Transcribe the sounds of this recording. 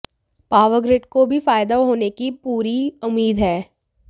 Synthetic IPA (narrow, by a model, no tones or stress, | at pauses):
paːʋəɡɾeʈkobʱifaːɪd̪aɦoːnekipuːɾiʊmːiːd̪ɦɛː